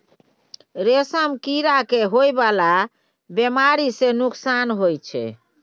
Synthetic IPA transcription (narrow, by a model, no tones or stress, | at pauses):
ɾesəmkiɾakeɦojbala | bemaɾisenuksanɦojt͡ʃʰɛ̰